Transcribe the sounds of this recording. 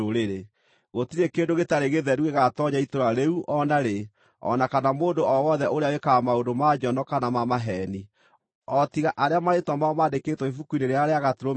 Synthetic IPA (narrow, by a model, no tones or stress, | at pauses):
oɾeɾe | ɣotiɾekeːndoɣetaɾeɣeðɛɾuɣeɣatɔɲaitoɾaɾeuʔɔnaɾe | ɔ̰nakanamoːndoʔɔwɔðɛʔoɾeawekamaodomad͡ʒɔnɔkanamamaɦɛni | ɔtiɣaʔaɾeamaɾetwamaɔmaːdekeːtwɔifukuineɾeaɾeaɣatiɾo